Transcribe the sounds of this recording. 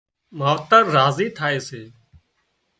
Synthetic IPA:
maːʋt̪əɾːaːziːt̪ʰaːeːseː

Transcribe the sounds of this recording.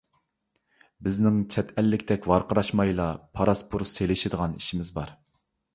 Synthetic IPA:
bɪznɪŋt͡ʃʰɛt̪ʰɛlːɪkʲt̪ʰɛkʲvɑɾqəɾɑʃmɑjlˠɑpʰɑɾɑspʰuɾselɪʃɪd̪əʁɑniʃimɪzbɑɾ

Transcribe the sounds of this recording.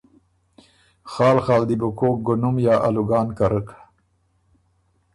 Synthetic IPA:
xɑːlxɑːld̪ibʊkok̚ɡʊnʊmjɑːʔa̰luɡɑːnkaɾək

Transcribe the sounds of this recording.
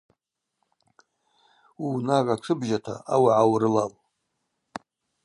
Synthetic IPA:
inarat͡sʷʰɨbʒatʰa̰awaʕawɾɨlal

